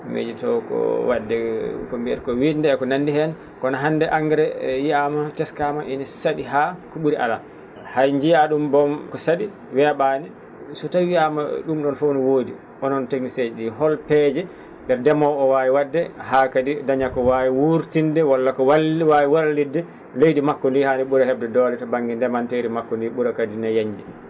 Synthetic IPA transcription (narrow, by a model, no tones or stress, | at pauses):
mḛd͡ʒitɔ̰kɔ̰wadːɛkombiɛ̰ɾkɔwindɛːkɔnandihɛn | kɔnaɦandɛʔaŋɡɛɾɛjiamatɛskamaʔinasaɗiɦakuɓuɾiʔa̰la | hajɲd͡ʒijaɗumbɔmkɔsaɗi | wɛɓani | sɔtawiama̰ɗumɗɔnfownɔwoːdi | ʔɔnɔnteknised͡ʒɛɗiɦɔlpɛːd͡ʒɛ | dɛɾdɛmɔɔwaːwiwadːɛɦakadidaɲakɔwawiwuɾtindɛwalːakɔwalwawiwaɾlidːɛ | lejdimakːɔndihaniɓuɾahɛb̚dɛdɔlɛtɔbaŋɡindɛmantejɾimakːɔndiɓuɾakadinajaɲd͡ʒi